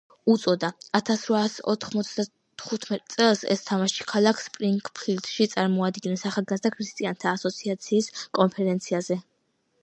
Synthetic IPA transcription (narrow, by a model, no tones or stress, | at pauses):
ut̪sʼɔd̪aat̪ʰasɾvasɔ̰t̪ʰχmɔt̪sʰd̪a | t̪ʰχut̪ʰmɛt̪ʼt̪sʼɛlˠsɛ̰st̪ʰamaʃi̥kʰalˠakʰspʼɾiŋkʼpʰild̪ʃit̪sʼaɾmɔad̪ɡinɛsaχalˠɡazd̪akʰɾist̪ʼiant̪ʰaːsɔt̪sʰiat̪sʰiːskʼɔnpʰɛɾɛnt̪sʰiazɛ